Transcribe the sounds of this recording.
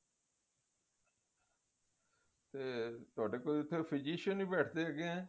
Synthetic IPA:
t̪eːt̪ʊaːɖeːkoːiʊt̪ʰːepʰɪd͡ʒiːʃə̃nĩːbɛːʈʰd̪eːəɡeɛ̃ː

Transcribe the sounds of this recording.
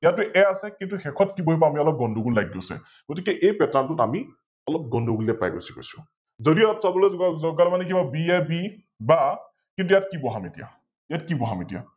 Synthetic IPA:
jatːuʔɛasɛkintuxɛkʰɔt̚kiboɦibɔamiɔlɔp̚ɡɔnduɡullaɡːosɛ̰ | ɡ̥ɔt̬ikɛʔejpɛtantʊtami | ɔlɔp̚ɡɔndʱuɡuliɛpa̰jɡo̰si̥ko̰jsʊ̥ | zodiapsabɔlezɔzɔɡaɹmanɛk̬ibabiɛbi | ba | kintujatkibɔɦametija̰ | jatkibɔɦametija̰

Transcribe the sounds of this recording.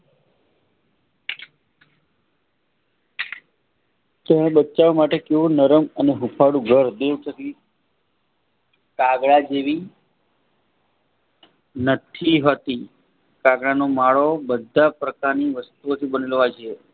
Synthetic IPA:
t̪əɽ̃ebət͡ʃaʋamaʈekeʋũnəɾəməneɦupʰaɽũɡʱəɾd̪eʋtəki | kaɡɭad͡ʒeʋi | nət̪ʰiɦət̪i | kaɡɭanomaɭobəd̪ʱapɾəkaɾniʋəst̪uot̪ʰibənelʋat͡ʃʰe

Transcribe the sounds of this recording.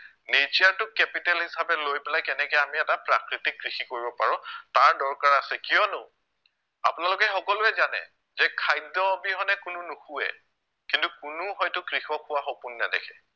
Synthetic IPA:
net͡ʃiaɹtʊkɛpitɛlhisabɛlojpɛlajkɛnɛkjamiɛtapɹakɹitikːɹixikoɹibɔpaɹɔ̃taɹdɔɹkaɹasɛkijɔnʊ | apʊnalʊkɛxɔkɔlʊɛzanɛ̰ | zɛkʰajdɔbiɦɔnɛkʊnʊnʊxuɛ̰ | kintukʊnʊɦɔjtʊkɹixɔkʰʊwaxopunːɛdɛ̰kʰɛ̥

